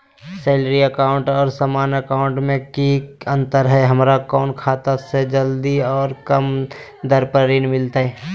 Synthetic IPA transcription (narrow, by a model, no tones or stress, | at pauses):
seːlɾiəkaːʊɳʈɔːɾsamaːnəkaːʊ̃ɳʈmẽkiə̃nt̪əɾɦɛɦəmɾakɔːnkʰaːt̪ased͡ʒəld̪iɔːɾkəmd̪əɾpəɾiːnmɪlt̪ɦɛː